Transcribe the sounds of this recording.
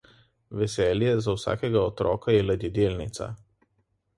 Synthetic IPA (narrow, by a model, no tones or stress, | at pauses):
ʋʲɛsʲɛːlʲjɛzɐʊsɑ̰ːkʲɛɡɐɔt̪ɾɔ̰ːkɐɛlʲɐd̪ʲid̪ʲeːlʲnʲɪ̰t̪sɐ̰